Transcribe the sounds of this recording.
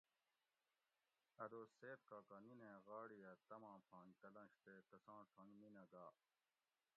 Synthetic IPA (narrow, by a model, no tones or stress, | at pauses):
ɐd̪oːseːt̪kaːkɐninẽːɣaːɽijɐt̪ɐmãːpʰãːnk̪ɐlɐ̃nɕt̪eːkɐsãːʈʰɐ̃ŋninɐɡaː